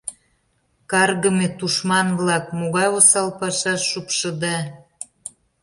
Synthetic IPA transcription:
kɑrɣə̆met̪uʃmɑnβlɑkmoɣɑjosɑlpɑʃɑʃːupʃə̆d̪ɑ

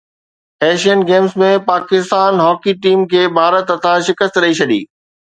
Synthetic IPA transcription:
ɛːʃiənɡeːmzmẽpaːkɪst̪aːnɦɔːkiʈiːmkʰeːbʱaːɾət̪ɐt̪ʰãʃɪkəst̪ɾɐit͡ɕʰɐɗḭː

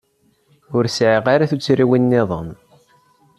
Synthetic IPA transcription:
ʊɾsʕiʁaɾaθut͡sːɾiwinːɪðˤə̰m

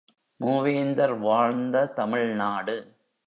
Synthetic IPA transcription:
muːʋeːnd̪ɐɾʋaːɻnd̪ɐt̪ɐmɪɭnaːɽɯ

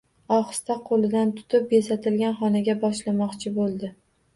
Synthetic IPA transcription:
ɒχɨ̥st̪aqʰolɪd̪ant̪ʰʊ̥t̪ʰɪp̚jesat̪ʰɪlɡʲanχɒnaɡʲabɒʃlamɒqt͡ʃʰɪbolˠd̪ɪ

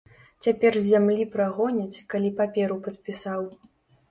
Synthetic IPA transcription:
t͡sʲapʲɛrzʲamlʲipɾaɣɔnʲɐt͡sʲkalʲipapʲɛɾupɐt̪̚pʲisaw

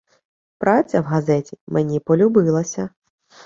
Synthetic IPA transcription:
pɾʔat͡sʲːɐwɣazɛtʲimɛnʲipɔlʲubɪlˠɐsʲɐ

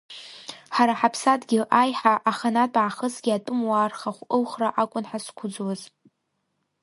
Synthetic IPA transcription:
ħaɾaħapʰsadɡʲɪʔajħaʔaχanatʼaʕaχəsɡʲiatʼʊmwaːrχaχʷɨlχraʔakʷʼʊnħaskʷʰʊd͡zwaz

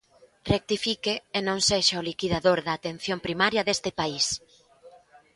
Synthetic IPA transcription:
rek̚t̪ifikeːnõŋseʃaolikiðaðoɾðaːt̪en̟θjompɾimaɾjɐðest̪ɪpais

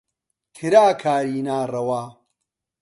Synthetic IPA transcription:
t̪ʰiɾaːkʰaːɾiːnaːrɐwaː

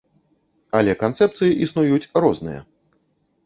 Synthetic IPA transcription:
ɐlʲɛkant̪sɛp̚t̪sɨjiʔisnujut͡sʲɾɔznɨjɐ̰

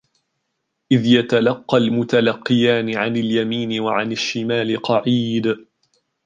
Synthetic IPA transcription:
ʔɪðjat̪alɑqːɑlmʊt̪alɑqːɪjaːnɪʕanɪljamiːnɪwaʕanaʃːɪmaːlɪqɑʕiːd̪

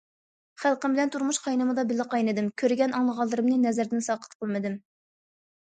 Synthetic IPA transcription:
χælˠqəmbɪlɛnt̪ʰuɾmuʃqʰɑjnɨmɨd̪ɑbɪlːɨqʰɑjnɨd̪ɨmkʲʰøɾɪɡʲɛnɑŋlˠəʁɑlˠːɨɾɨmnɨnɛzæɾd̪ɪnsɑːqə̥t̪qʰəlˠmɨd̪ɨm

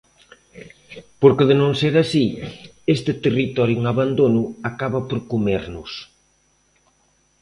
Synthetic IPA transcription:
poɾkɪðɪnõŋseɾasi | est̪ɪt̪erit̪ɔɾjuŋaβand̪onʊakaβapoɾkomeɾnʊs

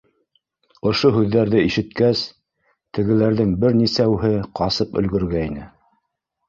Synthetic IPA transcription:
ŏʃoɦʉðːæɾðɘiʃɘ̆t̪̚kæs | t̪ɘ̆ɡɘ̆læɾðɘŋbɘɾnisæwɦɘqɑsɤpɵ̰̆lɡɵ̆ɾɡæinɘ

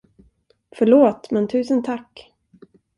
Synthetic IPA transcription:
fœɭoːt̪mɛnt̪ʰʉ̟ːsənt̪ʰakː

